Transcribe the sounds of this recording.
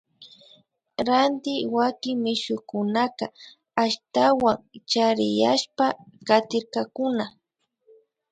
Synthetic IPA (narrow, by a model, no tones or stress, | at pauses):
ɾant̪ɪwakɪŋmɪʃʊkʊnaka | aʃt̪awaŋt͡ʃaɾɪjaʃpakat̪ɪɾkakʊna